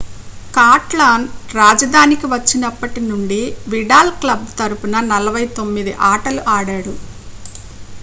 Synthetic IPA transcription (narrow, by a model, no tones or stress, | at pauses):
kaːʈlaːnɾaːd͡ʒɐd̪ʱaːnikiʋɐt͡ʃːinɐpːɐʈinuɳɖiʋiɖaːlklɐb̚t̪ɐɾupunɐnɐlɐʋɐjt̪o̞mːid̪iʔaːʈɐluʔaːɽaːɽu